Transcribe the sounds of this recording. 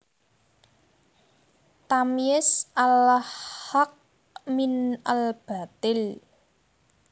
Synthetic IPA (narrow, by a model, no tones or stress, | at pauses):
t̪amiɪsʔalhak̚ | minalb̥a̤t̪ɪl